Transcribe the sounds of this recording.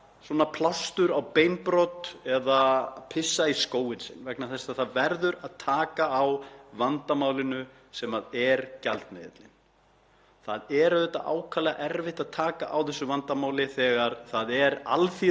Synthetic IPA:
swɔːnapʰlawst̪ʏɾawpeːjnpɾɔt̪ɛðapʰɪsːaiskoːwɪnsɪ̰nːvɛknaθɛsaθaðvɛɾðʏɾaðt̪ʰaːkaːwvant̪amaːwlɪnʏ | sɛmaðɛɾcalt̪mɛðɪ̰t̪lɪn | θaðɛɾaðɛt̪ːa̰ʔa̰ːwkʰalɛɣaʔɛɾvɪht̪aðt̪ʰaːkaʔawθɛsːʏvant̪amaːwlɪθɛːɣaɾ̥θaðɛɾa̰lθi

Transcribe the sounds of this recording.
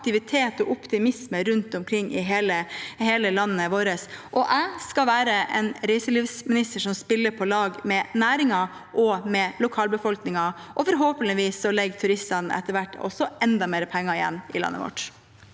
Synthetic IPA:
k̚t̪ɪʋɪt̪ʰeːt̪ɔʔʊpt̪ɪmɪsməɾʉnt̪ɔmkʰɾɪŋːɪɦeːləheːləlɑnːəʋoːɾəsʔɔʔæɪskɑʋæːɾəʔɛ̰nɾæɪsəliːfsmɪnɪst̪əʂɔmspɪlːəɾpʰɔlɑːɡmɛnæːɾɪŋɑ | ʔɔmɛlʊkʰɑːlbəfɔlknɪŋɑʔɔfɔɾɦoːpənɪʋiːsːɔlɛɡːt̪ʰʉɾɪsɑnɛ̰t̪ːəɾʋæʈːɔ̰sɔʔɛnd̪ɑmeːɾəpʰɛŋːɑɪjɛ̰nːɪ̰lɑ̰nːə̰ʋɔ̰ʈ

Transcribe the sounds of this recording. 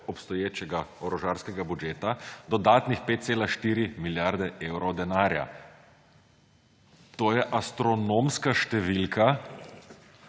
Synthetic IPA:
ɔpst̪ɔjeːt͡ʃɛɡaɔɾɔʒaːɾskɛɡabud͡ʒeːt̪ad̪ɔd̪aːt̪nixpet̪t̪seːlaʃt̪iːɾimiljaɾd̪ɛʔeːwɾɔwd̪ɛnaːɾja̰ | t̪oːjɛʔast̪ɾɔnoːmskaʃt̪ɛʋilka

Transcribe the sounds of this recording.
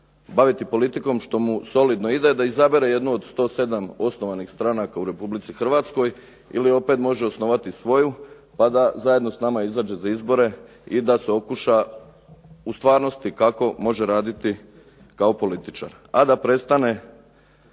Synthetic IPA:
baʋit̪ipo̞lit̪iko̞mʃt̪o̞muso̞lid̪no̞id̪ed̪aizabeɾeje̞d̪nuod̪st̪o̞ːse̞d̪amo̞sno̞ʋanixst̪ɾanakauɾe̞publit̪sixr̩ʋaːt̪sko̞j | ḭlio̞pe̞t̪mo̞ʒeo̞sno̞ʋat̪isʋo̞ju | pad̪azajed̪no̞snamaizaːd͡ʒe̞zaizbo̞ɾe̞ | id̪aseo̞kuʃa | ust̪ʋaːɾno̞st̪ikako̞mo̞ʒe̞ɾaːd̪it̪i | kao̞po̞lit̪it͡ʃa̰ɾ | ad̪apɾe̞st̪ane̞

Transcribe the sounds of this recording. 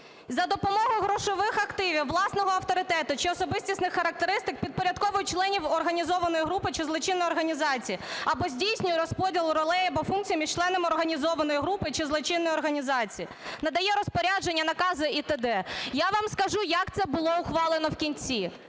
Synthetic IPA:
zɐd̪ɔpɔmɔɦʊɦɾɔʃɔʋɪxɐkt̪ɪʋʲiwːlˠɑsnɔɦɔɐft̪ɔɾɪt̪ɛt̪ʊt͡ʃɪɔsɔbɪsʲtʲisʲnɪxːɐɾɐk̚t̪eɾɪst̪ɪk̚pʲid̪̚pɔɾʲɐd̪̚kɔʋʊjʊt͡ʃlˠɛnʲiwɔrɦɐnʲizɔʋɐnɔjɦɾupɪt͡ʃɪzlˠɔt͡ʃɪnːɔjɔrɦɐnʲizɑt͡sʲijiɐbɔzʲdʲijsʲnʲʊjʊɾɔspɔdʲilˠɾɔlˠɛjɐbɔfunk̚t͡sʲijmʲiʃt͡ʃlˠɛnɔmɪɔrɦɐnʲizɔʋɐnɔjiɦɾupɪt͡ʃɪzlˠɔt͡ʃɪnːɔjɔrɦɐnʲizɑt͡sʲiji | nɐd̪ɐjɛɾɔspɔɾʲad͡ʒenʲːɐnɐkɑzɪit̪ed̪ɛjaʋɑmskɐʒujɐkt̪sɛbʊlˠɔʊxʋɑlˠenɔwkʲinʲt͡sʲi

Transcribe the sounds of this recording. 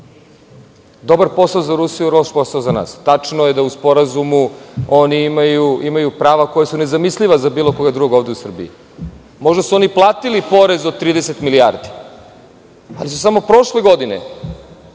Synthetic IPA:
d̪o̞baɾpo̞saozaɾusijuɾo̞ʃposaozana̰ːst̪at͡ʂnojed̪auspo̞ɾazumuo̞niimajuimajupɾaːʋako̞jasune̞zamisʎʲiʋazabiːlˠo̞ko̞ɡad̪ɾuɡoːʋd̪e̞usr̩bḭi | mo̞ʒd̪asuo̞niplˠaːt̪ilipo̞ɾe̞zod̪̚t̪ɾiːd̪eset̪milijaːɾd̪i | alisusamo̞pɾo̞ʃleɡo̞d̪inḛ

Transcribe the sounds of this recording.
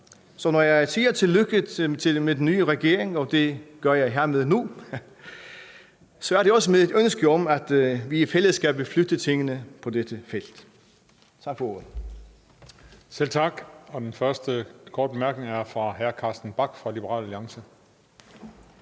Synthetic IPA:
sɒ̽nɒjɑɪsʰiːɐt͡sʰe̝lːøɡ̥ət͡sʰe̝med̥enːyːəʁɛɡ̥e̝ɐ̰eŋɒ̽d̥e̝ɡ̥ɶɐjɑ̈ɪɦeɐ̰með̞ˠnu | sɒ̽æɐɾ̥eɒ̽səmeðˠe̝d̥ønsɡ̥əɒ̽mæd̥ʋiifeləðˠsɡ̥æb̥eflød̥ət͡sʰe̝ŋənəpʰɒ̽d̥ed̥əfel̰d̥ | t͡sʰɑ̈ɡ̥fɒo̝ɐ̰ð̩ˠ | sel̰t͡sʰɑ̈ɡ̥ɒ̽d̥enfɶɐsd̥əkʰɒːd̥̚b̥emæɐɡ̥neŋæɐfʁɑ̈ɦæɐkʰɑ̈ːsd̥n̩b̥ɑ̈ɡ̥fʁɑ̈lib̥əʁɑ̰̈ːlæliɑ̈ŋsə

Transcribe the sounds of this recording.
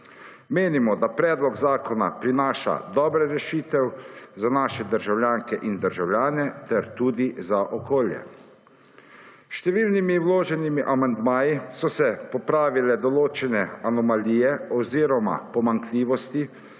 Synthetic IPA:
meːnimɔd̪apɾɛːd̪lɔɡzaːkɔna̰pɾinaːʃa̰d̪ɔːbɾɛɾɛʃiːt̪ɛwzanaːʃɛd̪əɾʒawlʲjaːŋkɛʔind̪əɾʒawljaːnɛt̪ɛɾt̪uːd̪izaʔɔkoːljɛ̰ | ʃt̪ɛʋiːlnimiwloːʒɛnimiʔamand̪maːjisɔsɛpɔpɾaːʋilɛd̪ɔloːt͡ʃɛnɛanɔmaliːjɛɔwziːɾɔma̰pɔmaŋkliːʋɔst̪i

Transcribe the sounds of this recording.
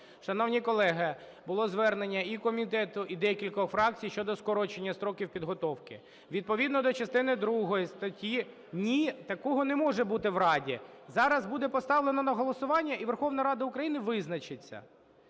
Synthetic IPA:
ʃɐnɔwnʲikɔlˠɛɦɐ | bʊlˠɔzʋɛrnenʲːɐikɔmʲit̪ɛt̪ʊʔid̪ɛkʲilʲkɔfɾɑk̚t͡sʲijʃt͡ʃɔd̪ɔskɔɾɔt͡ʃenʲːɐst̪ɾɔkʲiwpʲid̪ɦɔt̪ɔwkɪ | ʋʲid̪̚pɔʋʲid̪nɔd̪ɔt͡ʃɐst̪ɪnɪd̪ɾuɦɔjist̪ɐtʲi | nʲit̪ɐkɔɦɔnɛmɔʒɛbut̪ɪwɾɑdʲi | zɑɾɐzbud̪ɛpɔst̪ɑʋlˠenɔnɐɦɔlˠɔsʊʋɑnʲːɐiʋerxɔʋnɐɾɑd̪ɐʊkɾɐjinɪʋɪznɐt͡ʃɪt͡sʲːɐ̰

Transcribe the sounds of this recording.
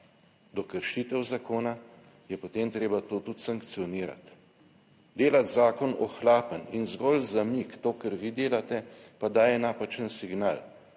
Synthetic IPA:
d̪ɔkəɾʃiːt̪əwzakoːna | jɛpot̪emt̪ɾeːbat̪oːt̪ut̪saŋkt̪sijɔniːɾa̰t̪ | d̪eːlat̪zaːkɔnɔxlaːpəninzɡɔlzamikt̪oːkəɾʋid̪eːlat̪ɛpad̪aːjɛnaːpat͡ʃənsiɡnaːl

